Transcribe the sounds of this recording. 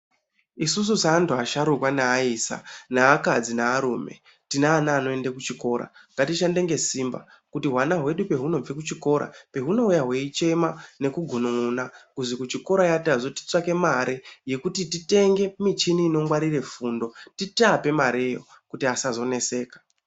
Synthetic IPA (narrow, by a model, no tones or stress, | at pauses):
isus̬usaːntuaʃaɾukwanaːisa̰naːkad͡zinaːɾuːme̞̰ | tinaːnaːno̞e̞ndekut͡ʃiko̞ɾa̰ŋɡatiʃande̞ŋɡe̞simba̰ | kutiɦwanaɦwe̞ɗupe̞ɦuno̞b͡vek̬ut͡ʃiko̞ːɾa̰pe̞ɦuno̞ujaɦwe̞it͡ʃe̞mane̞kuɡʱunuunakuzikut͡ʃiko̞ɾajatazo̞ti̥t͡swake̞maɾeje̞kutitite̞ŋɡe̞mit͡ʃiniːno̞ŋɡwaɾire̞fuːndo̞titape̞maɾejo̰ | kutiasazo̞ne̞se̞ːkḁ